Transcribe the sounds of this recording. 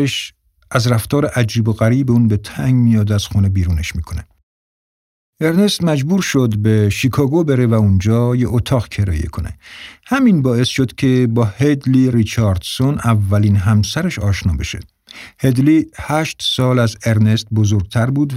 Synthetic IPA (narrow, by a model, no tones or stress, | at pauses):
eʃ | ʔæzɾæft̪ɒːɾeʔæd͡ʒiːboɣæɾiːbeuːnbe̞t̪ʰæŋɡmijɒːd̪æz̥xunebiːɾuːneʃmiːkʰo̞ne | e̞ɾne̞st̪mæd͡ʒbuːɾʃod̪beʃikʰɒːɡobeɾevæund͡ʒɒːjeʔot̪ʰɒːɣcʰe̞ɾɒ̰ːjḛkʰo̞nḛhæminbɒːe̞sʃod̪kʲʰe̞bɒːhed̪liɾit͡ʃʰɒɾd̪̥sonævːæliːnɦæmsæɾeʃɒːʃnɒ̰ːbe̞ʃḛ | hed̪lihæːʃt̪sɒːlæze̞ɾne̞st̪̚bozoɾɡ̥̚t̪ʰæɾbuːd̪